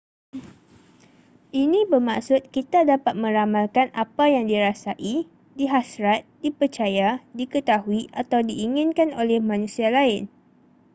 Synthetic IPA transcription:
ʔinĩbərma̰ksʊt̪̚kit̪adapat̪̚mə̃ɾamãlkanʔapajaŋdiɾasaʔi | diɦasɾat̪̚dipərt͡ʃajadikət̪aɦuiʔat̪awdiʔːŋɪ̃nkanolɛhmãnũsialaɪn

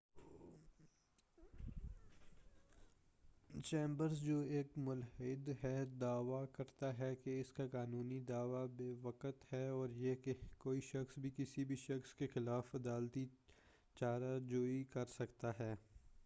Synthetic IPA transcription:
t͡ʃẽːmbəɾzd͡ʒoːeːkmʊlɦɪd̪ɦɛd̪aːʋakɐɾt̪aɦɛkeɪskakaːnuːnid̪aːʋabeːʋɐkət̪hɛɔːɾjeekoːiʃɐxsbʱikɪsibʱiʃɐxskexɪlaːfɐd̪aːlt̪i | t͡ʃaːɾad͡ʒoːikɐɾsɐkt̪aɦɛː

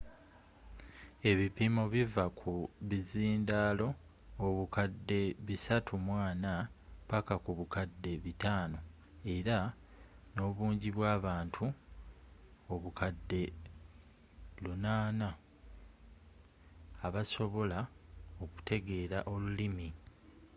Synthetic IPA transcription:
e̞βipimo̞βivakʰuβiziːndaːlo̞ː | βukadːe̞βisatʰumwaːnapakakuβukadːe̞βitaːno̞ | e̞ɾa | no̞ːβuːɲɟiβwaːβaːntʰu | oβukʰadːe̞ | lunaːna | βaso̞βo̞lao̞ku̥tʰe̞ɡe̞ːɾaʔo̞lulimi

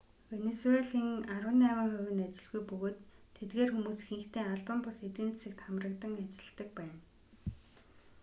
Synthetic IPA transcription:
wenesueɮiŋaɾwʊ̆nawiːŋχʊwʲɘ̆nat͡ɕɪ̆ɮɣujpɵɣoːt̪ʰːet̪̚ɡeːrxumuːsxiŋxt̪ʰeːaɮpə̆mpʊset̪ɘ̆nt̪sɘ̆k̚t̪ʰχamrə̆kt̪ə̆ŋat͡ɕɪ̆ɮɮt̪ə̆k̚pæːn

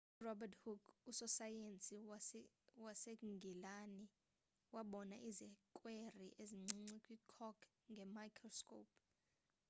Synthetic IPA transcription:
urɔbathukusɔsajent͡sʼi | waseŋɡʱilani | waɓɔnaʔizikʼweriʔeziŋ͡ǀiŋ͡ǀikʼwikʰɔkʰ | ŋɡʱɛmajkʰrɔskʼop̚

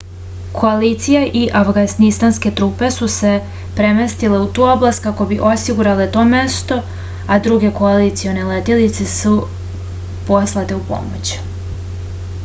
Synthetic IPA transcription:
kʰo̞aliːt̪sijaʔiʔafɡansnist̪anske̞t̪ɾuːpe̞suse̞ | pɾemest̪ile̞ut̪uːo̞blˠast̪̚kako̞biʔo̞siɡuɾale̞t̪o̞ːmest̪o̞ | ad̪ɾuɡe̞ko̞alit̪sio̞ne̞let̪ilit̪sesu | po̞slˠat̪e̞upo̞̰mo̰t͡ɕ

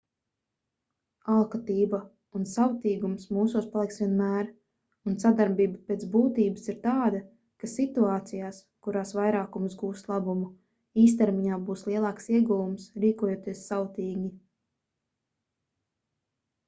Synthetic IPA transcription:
alˠkat̪iːba | unsawt̪iːɡumsmuːsuːspalˠiksʋʲiɛnmæːɾ | unsad̪aɾbiːbapʲeːt̪zbuːt̪iːbəsiɾt̪aːd̪a | kasit̪uɑːt̪sijaːs | kuɾaːsvajɾaːkumsɡuːst̪lˠabumu | iːs̬t̪ɛɾmiɲaːbuːslˠiɛlˠɑːksiɛɡuvumsɾiːkuɔjoːt̪iɛsːawt̪iːɡʲi

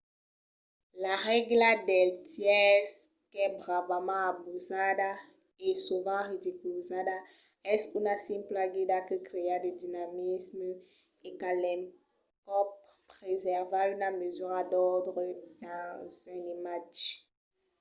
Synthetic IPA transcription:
laʁɛɡladɛlt̪jɛs | kɛbʁavamãabuzada | ɛsuvɑ̃ʁid̪ikylzada | ɛsynasɛ̃mplaɡid̪akəkɾead̪əd̪inamismə | ekalɛ̃m | kɔp | pχezɛʁvaynamezyʁadɔʁd̪ʁəd̪̥ɑ̃zɛ̃nimat͡ʃ

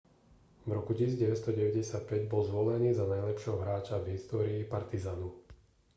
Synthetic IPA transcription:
vɾɔkucisizɟɛʋɛst̪ɔɟɛʋɛɟɛsɪat̪̚pɛɟbɔlzʋɔlɛniːzanajlɛpʃɪɛɦɔɦɾaːt͡ʃavɦist̪ɔːɾiːpaɾt̪izaːnu

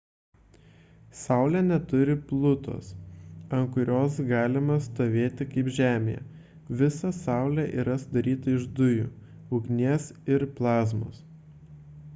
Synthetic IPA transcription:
sɑˑʊlʲænʲɛt̪ʊɾʲɪplˠʊt̪ʰo̰ːsɐŋkʊɾʲoːs̬ɡɑːlʲɪmɐst̪oːʋʲeːt̪ʲɪkɐɪpʒʲæːmʲḛjɛ̰ | ʋʲɪsɐsɑˑʊlʲæʔḭːɾɐsʊd̪ɐɾʲiːt̪ɐɪʒd̪ʊjṵː | ʊɡnʲiɛsɪɾplˠɑːzmo̰ːs

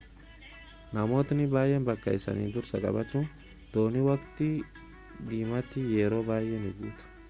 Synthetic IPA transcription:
nɐmoːt̪nɪbaːjːɛnbɐkːɐ̰ɪsɐ̰nḭːd̪ʊɾsɐkʼɐ̰bɐt͡ʃːuːn | d̪̥oːnɪwɐkt̪ɪ | d̪iːmɐt̪ːɪjeːɾo̞ːbaːjːɛnɪɡuːt̪ʊ̥

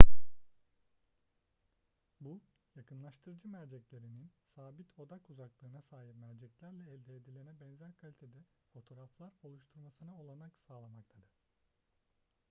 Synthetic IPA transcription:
bu | jakʰɯnlˠaʃt̪ʰɯɾɯd͡ʒɯmæɾd͡ʒɛclʲe̞ɾininsaːbit̪ʰo̞d̪akuzaklˠɯːnasaːɦipmæɾd͡ʒɛclʲæɾlʲɛːlʲd̪ɛːd̪ilʲenɛbɛnzæɾkʰalʲit̪ʰed̪ɛ | fo̞t̪ʰo̞ɾaflˠaɾo̞lˠuʃt̪ʰuɾmasɯnaolˠanaksaːlˠamakt̪ʰad̪ɯɾ̥

